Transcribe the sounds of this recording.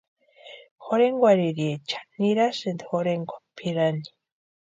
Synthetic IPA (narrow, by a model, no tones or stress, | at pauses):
xoɾeŋɡwaɾiɾiet͡ʃḁniɾasend̪ixoɾeŋɡʷḁpʰiɾani̥